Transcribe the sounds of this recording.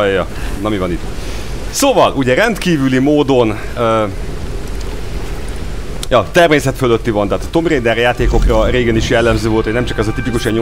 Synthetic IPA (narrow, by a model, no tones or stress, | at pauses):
jɒ | nɒmivɒnit̪ | soːvɒluɟɛɾɛnt̪kiːvylimoːd̪o̞n | øː | jɒt̪ɛrmeːsɛt̪føløt̪ːivɒnt̪aːt̪ɒt̪o̞mreːd̪ɛrjaːt̪eːko̞krɒreːɡɛniʃjɛlːɛmzøːvo̞lt̪honɛmt͡ʃɒkɛzɒt̪ipikuʃɛɲo